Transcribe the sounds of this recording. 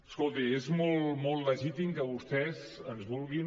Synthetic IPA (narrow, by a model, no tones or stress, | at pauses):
skolˠt̪iezmolˠmolˠləʒit̪imkəβust̪ɛzənzβulˠɣi